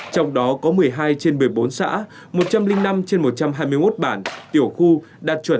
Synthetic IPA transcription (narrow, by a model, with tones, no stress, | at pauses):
t͡ɕɔ˧wŋ͡mɗɔ˨˦kɔ˨˦mɨ˨˩əjɦaː˧jt͡ɕe˧nmɨ˨˩əjɓo˨˦nsa̰ː˧˥ | mo˨˩t̚t͡ɕa˧mlï˧ŋ̟na˧mt͡ɕe˧nmo˨˩t̚t͡ɕa˧mɦaː˧jmɨ˧əjmo˦˥t̚ɓaː˧˩nt̪i˧˩əwxu˧ | ɗaː˨˩t̚t͡ɕwə˧˩n